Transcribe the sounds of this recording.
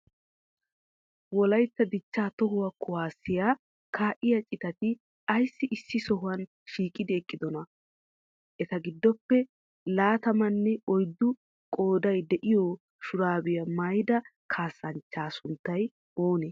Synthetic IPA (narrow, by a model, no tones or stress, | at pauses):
wɔlɐjt̪ːɐd̪ɪt͡ʃːaːt̪ɔɦʊwɐkʰːʊwaːsːɪjaː | kʰaːʔɪjɐt͡ʃʼɪt̪ɐt̪ɪ | ɐjsːɪʔɪsːɪsɔɦʊwɐn | ʃiːkʼɪd̪ɪɛkʼːɪd̪ɔnɐ | ʔɛt̪ɐɡɪd̪ːɔpːɛ | laːt̪ɐmɐnːɛɔjd̪ːʊ | kʼo̞ːd̪ɐjd̪ɛʔɪjɔ | ʃʊɾaːbɪjɐmɐjd̪ɐkʰaːsːɐnt͡ʃːaːsʊnt̪ːɐj | oːnɛ